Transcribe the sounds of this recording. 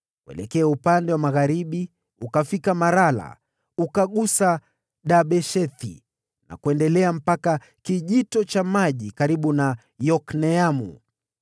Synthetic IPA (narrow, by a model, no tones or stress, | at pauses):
kuɛ̰lɛkɛaupandɛwamaɣaɾiɓi | ukafikamaɾala̰ | ukaɠusa | ɗaɓɛʃɛθḭ | na̰kuɛndɛlɛam̩paka | kiʄitɔt͡ʃamaʄikaɾiɓuna | jɔknɛamṵ